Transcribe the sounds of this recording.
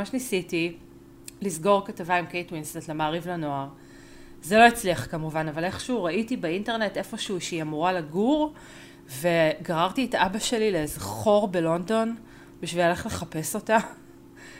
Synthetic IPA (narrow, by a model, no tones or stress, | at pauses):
maʃnisiti | lizɡo̞ʁkatavaimkejtwinstetlemaːʁivlano̞aʁ | zelo̞it͡sliaχkamuvanavale̞χʃuʁaʔitibeinteʁne̞te̞fo̞ʃuuʃeiamuʁalaɡuʁ | ve̞ɡaʁaʁtietaabaʃe̞lilezχo̞ʁbe̞lo̞ndo̞n | biʃvilale̞χle̞χape̞so̞ta